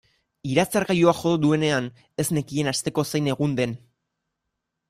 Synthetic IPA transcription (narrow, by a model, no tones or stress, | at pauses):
iɾat͡saɾɣajuaʝo̞ðod̪ue̞ne̞an | e̞zne̞kienast̪e̞ko̞sejne̞ɣ̞und̪e̞n